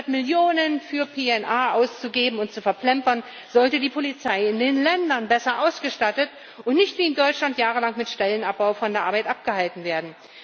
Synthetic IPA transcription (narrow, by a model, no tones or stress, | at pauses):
ɐtmɪljoːnənfyːɐpʰeːɛnʔaːʔaʊst͡suɡeːbm̩ʊntt͡sufɛɐpl̥ɛmpɐn | zɔltədiːpʰolit͡saɪɪndeːnlɛndɐnbɛsɐʔaʊsɡ̥əʃtatət | ʔʊntnɪçtv̥iːɪmdɔʏt͡ʃlantjaːʁ̞əlaŋmɪtʃtɛlənap̚b̥aʊfɔndeːɐʔaɐbaɪtʔap̚ɡ̥əhaltn̩veːɐdn̩